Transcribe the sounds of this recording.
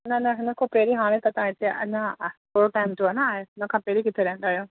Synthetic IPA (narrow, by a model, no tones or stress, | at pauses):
nɐnɐɦʊnəkʰõpeːɾiɦaːɽ̃ẽt̪ɐt̪ãːɪt̪ʰeʔɐ̰ɲãpoːɾoʈaːɪmd͡ʒoanaːɦeʊnəkʰãːpeːɾikɪt̪ʰeɾɛɦə̃nd̪aːjõː